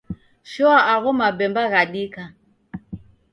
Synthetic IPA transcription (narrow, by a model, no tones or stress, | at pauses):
ʃɔwaʔaɣʊmabɛmbaɣaɗiːka